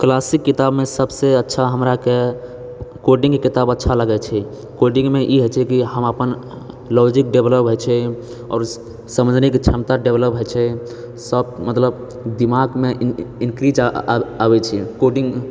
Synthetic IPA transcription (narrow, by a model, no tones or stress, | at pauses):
klasikːit̪abmesəbseətːʃʰaɦəmɾake | koɖĩŋɡkit̪abətːʃʰaləɡɛt͡ʃʰɛ | koɖĩŋɡmeʔiɦət͡ʃʰɛkiɦəməpən | lɔd͡ʒik̚ɖebləpɦot͡ʃʰɛ | ɔ̰ːɾ | səmə̃d͡ʒnikt͡ʃʰəmt̪aɖebləpɦət͡ʃʰɛ | səbmət̪ləb | d̪imaɡmeinkɾid͡ʒabɛt͡ʃʰɛkoɖiŋɡ